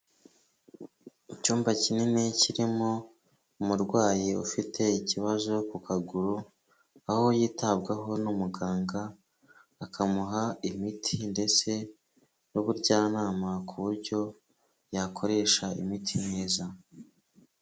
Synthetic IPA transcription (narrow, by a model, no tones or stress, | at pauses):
icuːmbacinine̞ciɾimo̞ | umuɾɡwaːjiufitʰe̞iciβazo̞kukʰaɡuɾu | aho̞jiːtabɡaɦo̞numuɡaːŋɡaː | kamuɦaimitʰinde̞t͡se̞ | nuβuɾɟaːnaːmakʰuβuɾɟo̞ | jakʰo̞ɾe̞ːʃaḭmitʰineːza